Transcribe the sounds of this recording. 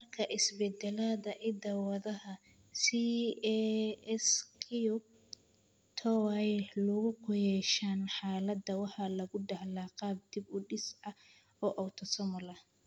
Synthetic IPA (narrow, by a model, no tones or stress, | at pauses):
mɐrkʰɐʔɪsbɛd̪ɛlaːðɐʔɪd̪ɐwɐðɐɦɐ | si | ɛskʰiʊ | t̪ʰɔwɛlʊɣʊkʰʊjɛʃaːnħɑːlɐd̪ɐwɑħɑlɐɣʊɖɐhlaːqɑːb̚d̪ɪbʊɖɪsɐ | ɔːʔɔwt̪ʰɔsɔmɔlɐ